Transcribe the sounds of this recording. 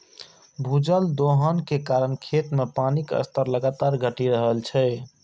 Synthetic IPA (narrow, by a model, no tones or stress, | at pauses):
bʱud͡ʒəld̪oɦənkekaɾənkʰet̪mepanikə̰st̪əɾləɡat̪aɾɡʱəʈiɾəɦəlt͡ʃʰɛ